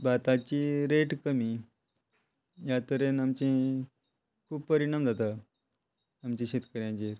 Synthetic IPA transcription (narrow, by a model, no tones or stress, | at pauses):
bat̪at͡ɕiɾeʈkəmi | jat̪əɾenamt͡ɕẽ | kʰuːbpəɾiɳamd͡zat̪a | mt͡ɕẽɕet̪kəɾjãt͡ɕeɾ